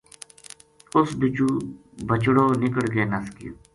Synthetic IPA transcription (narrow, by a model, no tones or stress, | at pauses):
ʊsbɪt͡ʃuː | bət͡ʃɽoːnɪkəɽɡeːnəskḭ